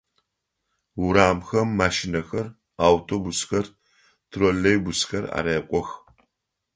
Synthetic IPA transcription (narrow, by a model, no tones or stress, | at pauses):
wʊɾaːmxɐmːaːʃɪnɐxɐr | aːwtʰobʊsxɐr | tʰrolɐjbʊsxɐra̰ːɾeːqʷʼɔx